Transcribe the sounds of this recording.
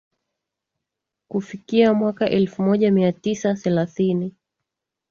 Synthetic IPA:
kufikiamwakaʔɛlfumɔʄamiatisaθɛlaθini

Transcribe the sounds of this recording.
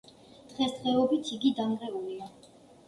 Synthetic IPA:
d̪̥ʁɛsd̪ʁɛɔbit̪ʰiɡid̪aŋʁɛulia

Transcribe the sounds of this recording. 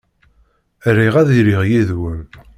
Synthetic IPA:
ɾːiʁæðiɾiʁjiðwəm

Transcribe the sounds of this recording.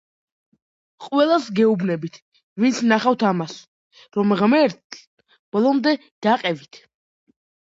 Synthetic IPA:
qʼwɛlˠasɡɛubnɛbit̪ʰ | vint̪sʰnaχavt̪ʰamas | ɾɔmʁmɛɾt̪ | b̥ɔlˠɔmd̪ɛ | d̪̥aqʼɛvit̪ʰ

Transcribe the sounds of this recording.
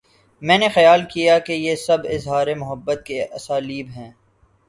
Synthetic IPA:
mɛ̃ːnexɐjaːlkijakejesɐbɪzɦaːɾemʊɦəbːət̪̚keʔɐsaːliːbɦɛ̃ː

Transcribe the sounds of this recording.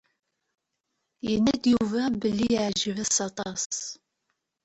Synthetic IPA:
jənːæd̪juvæbəlːijʕʒəvæsɑt̪ˤɑs

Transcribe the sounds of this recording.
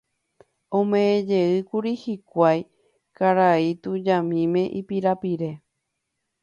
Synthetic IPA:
õmẽẽd͡ʒeɨkuɾihikʷaj | kaɾait̪ũd͡ʒãmĩmẽ̞ʔipiɾapiɾe̞

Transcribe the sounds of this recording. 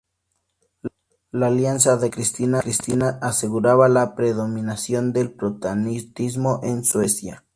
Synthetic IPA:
laːljansaðe̞kɾist̪inakɾist̪inaʔːse̞ɣuɾaβalapɾe̞ðo̞mĩnasjo̞nd̪e̞lpɾot̪anit̪izmo̞ʔenswesja

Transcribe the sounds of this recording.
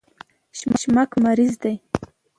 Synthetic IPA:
ʃmaʃmakmaɾizd̪aj

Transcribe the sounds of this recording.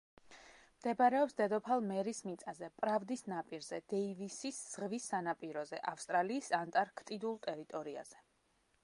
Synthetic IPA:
md̪̥ɛbɾɛɔpsd̪ɛd̪ɔpʰalˠmɛɾismit̪sʼazɛpʼɾavd̪isnapʼiɾz̥ɛd̪̥ɛivisisːʁvisːanapʼiɾɔzɛʔafst̪ʼɾaliːsant̪ʼaɾkʰt̪ʼid̪ulˠt̪ʼɛɾit̪ʼɔɾia̰z̥ɛ

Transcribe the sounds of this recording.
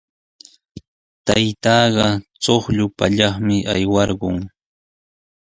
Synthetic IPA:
t̪ajt̪ɑːɢɑt͡soχʎʊpa̰ʎɑχmɪʔajwɑɾɢʊŋ

